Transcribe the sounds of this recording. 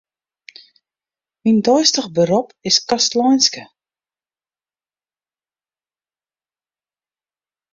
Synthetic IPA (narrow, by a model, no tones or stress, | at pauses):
mindɔjstəɣbəɾɔpɪskastlɔjnskə